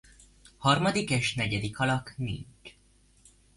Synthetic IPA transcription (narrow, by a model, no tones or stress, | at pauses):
hɒrmɒd̪ikeːʃnɛɟɛd̪ikʰɒlɒknḭɲt͡ʃ